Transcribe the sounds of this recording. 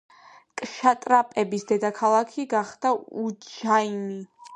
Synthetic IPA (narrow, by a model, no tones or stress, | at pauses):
kʼʃat̪ʼɾapʼɛbisd̪ɛd̪akʰalˠakʰiɡaχd̪̥aud͡ʒaimi